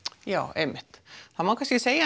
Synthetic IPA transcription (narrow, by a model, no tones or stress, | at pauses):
jo̰ːemːet̪sɑmɑkɑsisejɑ